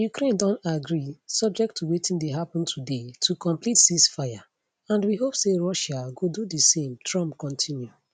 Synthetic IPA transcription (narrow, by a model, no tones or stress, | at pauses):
jukɾẽndɔ̃ntaɡɾisɔb̚d͡ʒɛk̚tʰːuwetĩndeɦapɔ̃ntʰudetʰukʰɔ̃mplitsisfaja | ãndwiɦopseɹɔʃaɡodudəsẽmtʰɹɔ̃mpkɔ̃ntʰĩnju